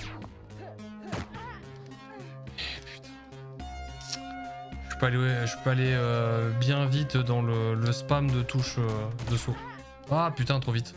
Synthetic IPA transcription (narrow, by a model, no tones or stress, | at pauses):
py̥t̪ɛ̥̃ | ʒypøalewɛʒi̥pøaleøbjɛ̃vit̪d̪ɑ̃lələspamd̪ət̪uʃød̪əso | apyt̪ɛ̃t̪χovit̪